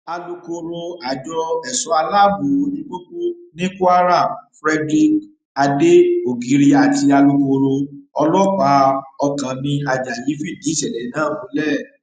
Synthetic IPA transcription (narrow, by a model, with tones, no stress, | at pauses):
a˧lu˧ko˧ɾo˧a˨d͡ʒɔ˧ɛ˨sɔ˧˦a˧la˦bu˨o˧˦nĩ˦ɡ͡bo˦ku˦nĩ˦ku˦a˦ɾa˦˨mfɾɛ˧di˧k | a˧de˦o˨ɡi˨˦ɾi˦a˧˨ti˧a˧lu˧ko˧ɾo˧ɔ˧lɔ˦k͡pa˧˦ɔ˧kã˨nĩ˧a˨d͡ʒa˨ji˨˦fi˦˨di˨˦ʃɛ˨lɛ˨˦nãː˦˨wõ˨˦lɛ˦˨